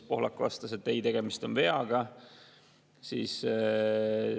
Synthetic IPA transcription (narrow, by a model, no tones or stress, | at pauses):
po̞hlɑkːvɑ̰st̪ɑse̞t̪ːˑejt̪e̞ɡ̥e̞mist̪o̞nve̞ɑɡ̥ɑ | sḭːs